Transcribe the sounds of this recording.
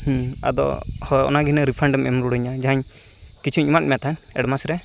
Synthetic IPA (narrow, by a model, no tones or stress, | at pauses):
hũa̰d̪ɔ̰ | hɔɔ̰naɡinəɾipʰɾɛɳɖɔmɛmɔɾuɽɔɲad͡ʒaɦaɲ | kit͡ʃʰuɲimat̚mɛat̪ʰan | ɛɽmasɾɛ